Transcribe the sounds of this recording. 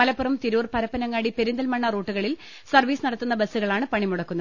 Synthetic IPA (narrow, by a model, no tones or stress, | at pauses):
ɐlɐpːurɐmt̪iɾuːrpɐɾɐpːɐnɐŋːaːɽipeɾund̪ɐlmɐɳːɐroːʈːuɣɐɭil | sɐrʋiːsɨnɐɽɐt̪ːunːɐbɐsːuɣɐɭaːɳɨpɐɳimuɽɐkːunːɐð